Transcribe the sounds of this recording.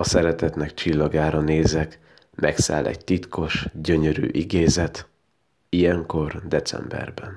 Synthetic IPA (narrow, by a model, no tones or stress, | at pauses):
ɒsɛɾɛt̪ɛt̪nɛkt͡ʃilːɒɡaːɾɒneːzɛk | mɛksa̰ːlʔɛ̰ɟt̪it̪kʰo̞ʃɟø̞ɲøɾy̰ːʔiɡeːzɛt̪ | ijɛŋko̞rd̪ɛt̪sɛ̰mbɛ̰rbɛn